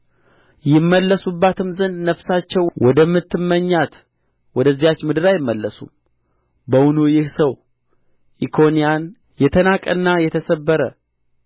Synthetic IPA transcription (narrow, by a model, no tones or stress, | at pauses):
jɪmːəlːəsubːat̪ʰɨmzɨnd̪nəfsat͡ʃːɛwwɔd̪əmːɨt̪ːɨmːəɲːat̪ | wɔd̪əzːijat͡ʃːmɨd̪ɨɾajɪmːəlːəsṵm | bəwʊnujɪhsəw | ʔikʰo̞nijan | jɛt̪ʰənakʼə̰nːajɛt̪ʰəsəbːəɾə